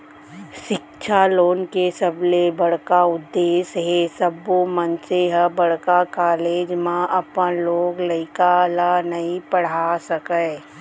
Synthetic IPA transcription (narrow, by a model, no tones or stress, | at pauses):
ʃɪkt͡ʃʰaloːnkesəblebɐɽ̤kaʊd̪ːeːsɦesəbomə̃nseɦəbɐɽkakaːleːd͡ʒmãʔɐpənloːɡlɐɪkalanɐɦĩpəɽ̤asəkəː